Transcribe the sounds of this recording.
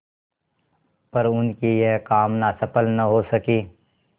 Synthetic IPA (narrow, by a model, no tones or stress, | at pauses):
pəɾʊnkijekaːmnaːsɐpəlnɐɦosəkiː